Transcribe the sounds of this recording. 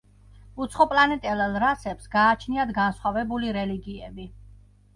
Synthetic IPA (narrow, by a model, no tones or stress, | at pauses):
ut̪sʰχɔpʼlanɛt̪ʼɛlalˠɾasɛpsɡaːt͡ʃʰniad̪ɡansχwavɛbuliɾɛliɡiɛbi